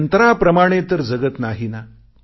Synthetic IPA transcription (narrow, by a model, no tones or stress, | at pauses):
nt̪ɾapɾəmaɽ̃et̪əɾd͡zəɡət̪naɦina